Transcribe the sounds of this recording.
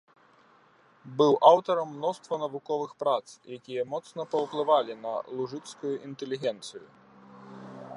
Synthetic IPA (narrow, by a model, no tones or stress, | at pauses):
bɨwʔawt̪ɐɾɐmːnɔst̪vɐnɐvukɔvɨxpɾat̪sjakʲijɐmɔt̪snɐpɐwplˠɨvalʲinɐ̰lˠuʐɨt̪skujuʔint̪ɛlʲiɣʲɛnt̪sɨjṵ